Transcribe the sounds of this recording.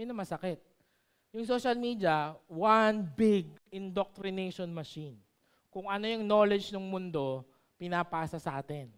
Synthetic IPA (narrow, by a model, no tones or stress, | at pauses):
jɪnɐmɐsɐkɛt̪̚ | jʊŋsoːʃɐlmiːd̪iɐwanbɪɡ̚ɪnd̪ok̚t̪ɾɪnejʃonmɐʃin | kʊŋɐno̞jʊŋno̞lɛd͡ʒnʊŋmʊnd̪o̞ | pɪnaːpaːsɐsɐʔaːt̪ɛn